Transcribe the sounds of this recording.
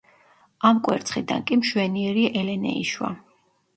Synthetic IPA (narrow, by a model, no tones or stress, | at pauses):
amkʼwɛ̰ɾt̪sʰχid̪a̰nkʼimʃwɛniɛɾiʔɛlɛnɛ̰ḭʃwa̰